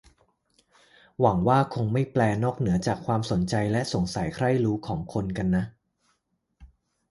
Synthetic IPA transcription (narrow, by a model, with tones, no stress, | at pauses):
wa˩˦ŋwaː˥˩kʰo˧ŋma˥˩jplɛː˧nɔː˥˩k̚nɯ˩˦ɐt͡ɕaː˨˩kʰwaː˧mso˩˦nt͡ɕa˧jlɛ˦˥ʔso˨˩˦ŋsa˨˩˦jkʰɾa˥˩jɾuː˦˥kʰɔː˩˦ŋkʰo˧nka˧nːa˦˥ʔ